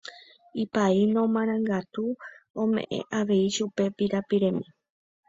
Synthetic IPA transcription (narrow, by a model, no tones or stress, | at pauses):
ipainõ̞mãɾ̃ãŋɡat̪uõmḛ̃ʔḛ̃ʔaʋe̞iʃupe̞piɾapiɾẽ̞mĩ